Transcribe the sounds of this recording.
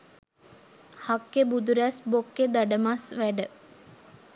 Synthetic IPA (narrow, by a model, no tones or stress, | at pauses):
hakːebud̪uɾæsbokːed̪aɖəmasʋæɖə